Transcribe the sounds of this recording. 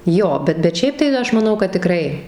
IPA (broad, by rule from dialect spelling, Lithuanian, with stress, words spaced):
ˈjoː ˈbʲɛt bʲɛt ˈʃʲɛɪp tɐɪ ˈɐʃ mɐˈnɐʊ kɐt tʲɪˈkrɐɪ